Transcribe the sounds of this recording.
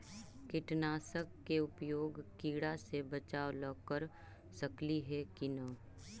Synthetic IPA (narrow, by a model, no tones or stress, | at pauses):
kɪʈnaːsəkːeʊpjoːɡkiːɽasebət͡ʃaːoləkəɾ | sɐkliɦɛkinə